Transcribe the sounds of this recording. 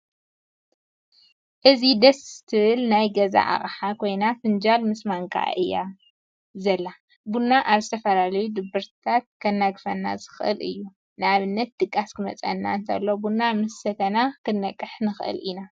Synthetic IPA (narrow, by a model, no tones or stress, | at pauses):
ʔɨzid̪ɐst̪ʰɨβɨlnajɡɐza̰ʔa̰χʼħakʰo̞jnafɨnd͡ʒalmɨsmaŋkʰʼa̰ʔɨjːa̰ | zɐlːa | bunːaʔaβzɨt̪ʰɐfɐlalɐjud̪ɨbːɨɾt̪ʰat̪̚kʰɐnːaɡfɐnːa̰zɨxʔɨ̰lɨ̰jːu | nɨaβɨnːɐt̪̚d̪ɨkʼːaskʰɨmɐ̰t͡sʼɐ̰nːa̰nt̪ʰɐ̰lːo̞bunːamɨsːɐt̪ʰɐnakʰɨnːɐkʼːɨħnɨxʔɨ̰lʔina